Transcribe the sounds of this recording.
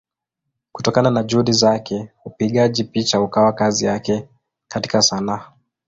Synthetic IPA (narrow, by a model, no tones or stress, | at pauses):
kutɔkananaʄuhuɗizakɛupiɠaʄipit͡ʃaukawakazijakɛ | kati̥kasanaa